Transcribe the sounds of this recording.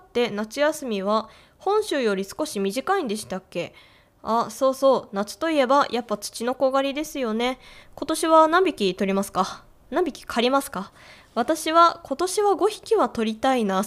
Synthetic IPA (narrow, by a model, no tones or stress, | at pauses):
t̪ːe̞nat͡ɕɨjasɨmʲiβ̞a | hõ̞ɰ̃ɕɨːjo̞ɾʲisɨ̥ko̞ɕimʲiʑikaĩnd̪e̞ɕi̥t̪akːe̞ | aso̞ːso̞ːnat͡sɨ̥t̪o̞ie̞bajʔapːat͡sɨ̥t͡ɕino̞ko̞ɡaɾʲid̪e̞sɨjo̞ne̞ko̞t̪o̞ɕiβanãmbʲikʲit̪o̞ɾʲimasɨ̥ka | nãmbʲikʲi̥kʰaɾʲimasɨ̥ka | β̞at̪aɕiβakʰo̞t̪o̞ɕiβaɡo̞çi̥kʲiβat̪o̞ɾʲit̪aina